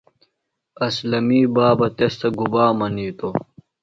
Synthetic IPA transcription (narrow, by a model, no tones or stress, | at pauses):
ɐslɐmiːbaːbɐt̪est̪ʰɐɡubaːmɐniːt̪o